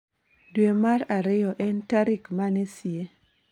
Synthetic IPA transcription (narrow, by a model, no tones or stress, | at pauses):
dwemaɾaɾɪjɔʔɛntaɾikmanesie